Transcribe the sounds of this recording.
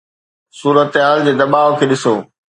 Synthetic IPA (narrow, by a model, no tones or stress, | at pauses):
suːɾət̪ɦaːld͡ʑeːd̪ɐbaːokʰeːɗɪsoː